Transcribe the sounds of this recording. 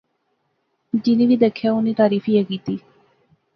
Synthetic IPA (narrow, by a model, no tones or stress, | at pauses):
d͡ʒɪnĩːʋiːd̪eːkʰːjaːʊniːt̪aːɾiːfiːekiːt̪iː